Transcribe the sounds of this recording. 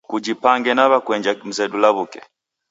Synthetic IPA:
kud͡ʒipaŋɡɛnaβakwɛɲd͡ʒam̩zɛdulaβukɛ

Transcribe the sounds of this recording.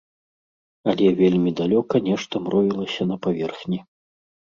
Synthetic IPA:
ɐlʲɛvʲelʲmʲid̪alʲɔkɐnʲɛʂt̪ɐmɾɔvʲilˠɐsʲɐn̪ɐpavʲɛrxnʲi

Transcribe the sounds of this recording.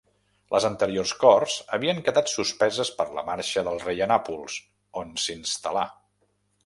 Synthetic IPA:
lʔə̰zənt̪əɾiorskɔrz̥əβiəŋkəðat̪suspɛzəspəɾlə̰maɾʃəðəlˠrejənapulˠs | onsinst̪əla

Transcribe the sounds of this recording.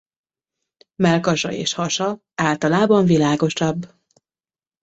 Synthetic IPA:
mɛlkɒʃɒ̰ḛːʃhɒʃɒ | aːlt̪ɒlaːbɒɱvilaːɡo̞ʃɒbː

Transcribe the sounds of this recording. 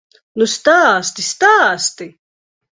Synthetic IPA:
nust̪aːst̪ist̪aːst̪i

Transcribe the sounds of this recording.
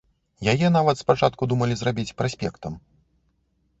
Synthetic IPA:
jajɛn̪avɐt̪spat͡ʂat̪kud̪umɐlʲizɾabʲit͡sʲpɾasʲpʲɛ̰kt̪ɐm

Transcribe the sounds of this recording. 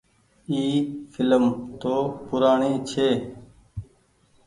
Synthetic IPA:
iːfʰɪləmt̪oːpʊɾaːɳiːt͡ʃʰeː

